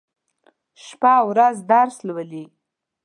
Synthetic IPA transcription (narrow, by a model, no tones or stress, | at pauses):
ʃpawɾazd̪ɑɾslwəli